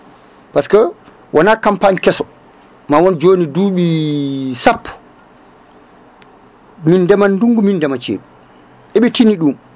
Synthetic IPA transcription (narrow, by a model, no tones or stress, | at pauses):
paskɔ | wʔanakampaɲkɛsɔ | mawɔnd͡ʒoːniduːɓi | sapːu̥ | mindɛmanːduŋɡumindɛmat͡ʃḛːɗu | ʔɛɓɛtiniɗum